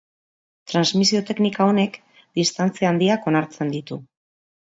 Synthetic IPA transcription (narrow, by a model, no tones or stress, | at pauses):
t̪ɾanzmisio̞t̪e̞knikao̞ne̞k | d̪̥ist̪ant͡siand̪iako̞naɾt͡se̞nd̪it̪u